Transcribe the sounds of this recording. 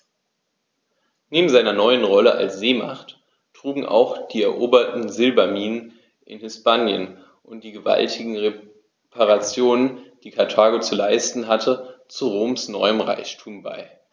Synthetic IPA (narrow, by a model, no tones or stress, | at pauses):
neːbm̩zaɪnɐnɔʏənʁɔləʔa̰lsz̥eːma̰χtː | ʁ̥uːɡŋ̩ʔa̰ʊxd̥iːɛɐʔoːbɐtn̩zɪlbɐmiːnən | ʔɪ̰nhɪspaːnjə̰n | ʔʊnt̚d̥iːɡəva̰ltʰɪɡŋ̩ʁe | pʰaʁat͡sjoːnənd̥iːkʰaɐtʰaːɡot͡sulaɪstn̩ɦatʰət͡suʁoːmsnɔ̰ʏəmʁa̰ɪçtʰuːmba̰ɪ